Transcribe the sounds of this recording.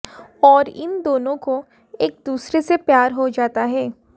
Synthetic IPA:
ɔːɾɪ̰nd̪oːnõko | eːk̚d̪uːsɾesepjaːɾɦod͡ʒaːt̪aɦɛː

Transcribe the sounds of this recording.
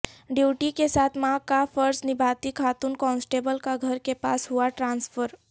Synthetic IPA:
ɖiʈikesat̪ʰmãkapʰəɾsnibʱat̪ikʰaːt̪unkɔnsʈebəlkaɡʱəɾkepa̰sɦuaʈɾanspʰəɾ

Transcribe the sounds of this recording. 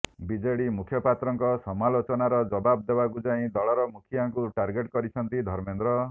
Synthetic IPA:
bid͡ʒeɽimukʰjɔpat̪ɾɔŋkɔsɔmalot͡ʃɔnaɾɔd͡ʒɔbab̚d̪ebakud͡ʒaĩd̪ɔɭɔɾɔmukʰijaŋkuʈaɾɡeʈ̚kɔɾit͡ʃʰʌnt̪id̪ʱɔɾmend̪ɾɔ

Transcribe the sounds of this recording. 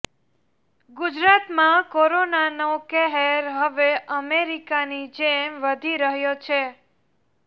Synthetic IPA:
ɡud͡ʒɾat̪mãkoɾonanokɛɦeɾɦəʋeʔəmeɾikanid͡ʒemʋəd̪ʱiɾəɦjot͡ʃʰe

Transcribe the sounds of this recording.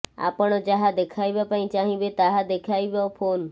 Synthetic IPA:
a̰pəɳ̃od͡ʒaɦad̪ekʰaibjapaĩt͡ʃaːɦĩbet̪aɦad̪ekʰaːibjopʰoːn

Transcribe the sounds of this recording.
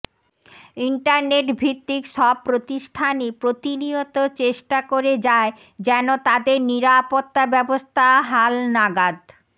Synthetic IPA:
iɳʈaɾneʈbʱit̪ːikʃɔb̚pːɾot̪iʃʈʰanipɾot̪iniot̪ot͡ɕeʃʈakoɾed͡ʑae | d͡ʑɛnot̪ad̪eɾniɾapot̪ːabɛbost̪ʰaɦalnaɡad̪

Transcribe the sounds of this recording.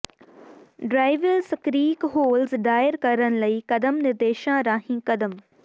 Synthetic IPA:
ɖɾaːɪʋəlskɾiːkɦoːlzɖaːɪəɾkɐɾəñ̆lɐikɐd̪əmnɪɾd̪eːʃãɾaːɦĩːkɐd̪əm

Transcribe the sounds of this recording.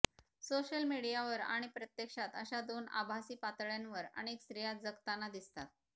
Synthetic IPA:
soɕəlmiɽijaʋəɾa̰ɽ̃ipɾət̪jekʂat̪əɕad̪ona̰bʱasiːpat̪ɭjanʋəɾə̰ɽ̃ekst̪ɾijat̪̚d͡zəkt̪anːad̪ist̪at̪̚

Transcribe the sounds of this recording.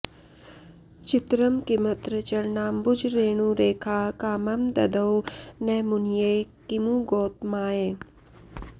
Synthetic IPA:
t͡ʃɪt̪ɾəmkimət̪ɾət͡ʃəɾnaːmbʊd͡ʒʱɾeːɳ̃ũɾeːkʰaːkaːmɐmd̪ɐd̪əwnɛːmʊnjekimuɡoːt̪̚maːjeː

